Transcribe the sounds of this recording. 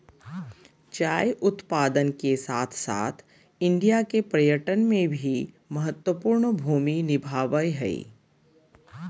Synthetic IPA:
t͡ʃaːjʔʊt̪paːd̪ənkesaːt̪ʰsa̰ːt̪ʰ | ɪ̃ɳɖijakepɾɐjəʈənmẽbʱi | mɐɦət̪wəpuːɾɳbʱuːminɪbʱaːʋəjɦɛ̰ḭ

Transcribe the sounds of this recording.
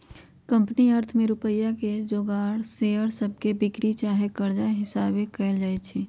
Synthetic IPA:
kə̃mpniəɾt̪ʰmẽɾʊpəjːaked͡ʒoːɡaːɽseəɽsəb̚ʱkebɪkɾit͡ʃaːɦekəɾd͡ʒaɦɪsaːbekəld͡ʒaːet͡ʃʰɛ

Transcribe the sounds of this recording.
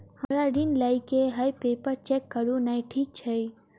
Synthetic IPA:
haɾaɖinlajkeɦajpeːpəɾt͡ʃekːəɾũnaiʈʰiːk̚t͡ʃʰɛ

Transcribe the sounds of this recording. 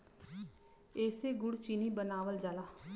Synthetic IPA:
eːseːɡʊɽt͡ʃiːniːbənaːʋəld͡ʒaːlaː

